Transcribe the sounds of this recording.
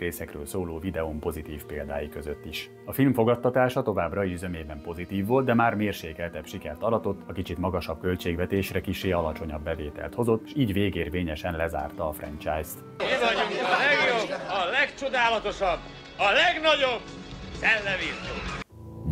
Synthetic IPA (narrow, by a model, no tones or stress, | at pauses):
reːsɛkrø̰ːlsoːloːvid̪ɛompo̞zit̪iːfpeːld̪a̰ːjikø̞zøt̪ːiʃ | ɒfilmfo̞ɡɒt̪ːɒt̪aːʃɒt̪o̞vaːbrɒiyzømeːbɛmpo̞zit̪iːvːo̞lt̪̚d̪ɛmaːrmeːrʃeːkɛlt̪ɛbʃikɛrt̪ɒd̪ɒt̪o̞t̪ːɒkit͡ʃit̪mɒɡɒʃɒb̚kø̞lt͡ʃeːɡvɛt̪eːʃrɛkiʃeːɒlɒt͡ʃo̞ɲɒbːɛveːt̪ɛ̰lt̪ho̞zo̞t̪ːʃiːɟveːɡeːrveːɲɛʃɛnlɛza̰ːrt̪ɒːfrɛ̰nt͡ʃaːjst̪ | lɛɡjobɒlɛkt͡ʃod̪aːlɒt̪o̞ʃɒb | ɒlɛɡnɒɟob | sɛlːɛvirt̪oː